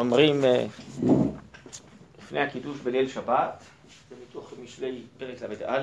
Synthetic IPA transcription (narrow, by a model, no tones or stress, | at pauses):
omʁim | lifnejhakid̪uʃbelelʃabat̪ | vemit̪oχmiʃlejpeʁeklabejt̪ʔal